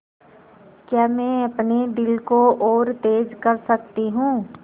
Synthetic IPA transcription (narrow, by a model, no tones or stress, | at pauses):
kjaːmɛ̃ɐpned̪ɪlkooːɾt̪eːd͡ʒkɐɾsɐkt̪iɦũː